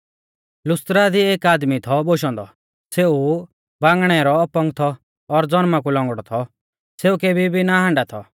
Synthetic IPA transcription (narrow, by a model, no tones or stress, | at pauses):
lʊst̪ɾad̪ieːkaːd̪mit̪ʰɔboʃ̬ɔ̃nd̪ɔ̰ | seu | bãːŋɡɽ̃ɛɾɔːpɔŋɡt̪ʰɔː | ɾd͡zɔnmak̬ulɔ̃ŋɡɽɔt̪ʰɔ | seːukebʱibʱinaɦãːɳɖat̪ʰɔ